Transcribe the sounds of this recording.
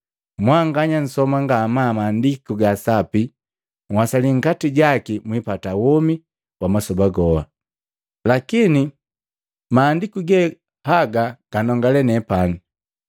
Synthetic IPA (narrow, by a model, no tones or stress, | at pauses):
mwaŋɡaɲan̩sɔmaŋɡamaːmaːndikuɡasapi | ŋwasaliŋ̩katiɟakimwipatawɔmi | wamasɔbaɡɔha̰ | lakini | maːndikuɡɛ | haɡaɡ̥anɔŋɡalɛnɛpanu